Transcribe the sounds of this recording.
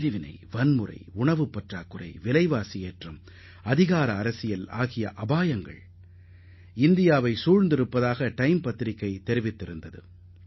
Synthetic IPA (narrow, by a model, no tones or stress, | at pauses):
ɾɪʋɪnɐ̰ɪʋɐnmɯrɐ̰ɪʊɳɐʋɯpːɐʈraːkːɯrɐ̰ɪʋɪlɐɪʋaːsɪjeːʈrɯm | ɐðɪɣaːɾɐːɾɐsɪjɐlaːɣɪjɐʔɐbaːjɐŋɡɐ̰ɭ | ɪnd̪ɪjaːʋɐɪsuːɻnd̪ɪɾɯpːɐðaːɣɐʈɐɪmpɐt̪ːɪɾɪkːɐɪt̪ːɛɾɪʋɪt̪ːɪɾɯnd̪ɐðɯ̰